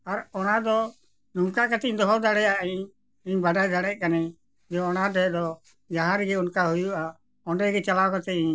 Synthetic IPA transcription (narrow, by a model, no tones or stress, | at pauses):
aɾɔnad̪ɔ | nuŋkakat̪ɛɲd̪ɔɦɔld̪aɽɛjaiɲ | iɲbaɖajd̪aɽɛc̚ˀkanɛ | d͡ʒɔɔnadɛd̪ɔ | d͡ʒaɦãɾɛɡɛunkaɦujua | ɔnɖɛɡɛt͡ʃalawkat̪ɛiɲ